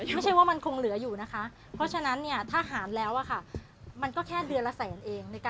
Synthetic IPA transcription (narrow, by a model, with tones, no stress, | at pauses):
m˥˩jt͡ɕʰa˥˩jwaː˥˩ma˧nkʰo˧ŋlɯ˩˦juː˨˩na˦˥kʰa˦˥ʔ | pʰɾɔ˦˥t͡ɕʰa˧na˦˥nːi˥˩ɐt̪ʰaː˥˩ɦaː˩˦nlɛː˦˥wʔa˨˩kʰa˥˩ | ma˧nkɔː˥˩kʰɛː˥˩dɯ˧ənla˧sɛː˩˦nʔeː˧ŋna˧jkaː˧